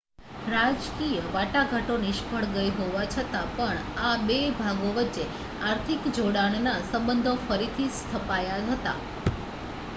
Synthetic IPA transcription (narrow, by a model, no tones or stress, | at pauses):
ɾad͡ʒkijəʋaʈaɡʱaʈoniʃpʰəɭɡəjɦoʋat͡ʃʰət̪apəɳabebʱaɡoʋətːʃe | aɾt̪ʰikd͡ʒoɽaɳnasəmbənd̪ʱofəɾit̪ʰist̪ʰəpajaɦət̪a̰